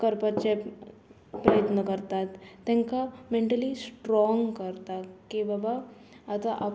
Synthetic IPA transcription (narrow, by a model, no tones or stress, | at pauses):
kəɾpat͡ʃe | pɾəjət̪nəkəɾt̪at̪ːɛ̃ŋkamẽɳʈəlisʈɾɔŋɡkəɾt̪akibaba | ət̪aʔap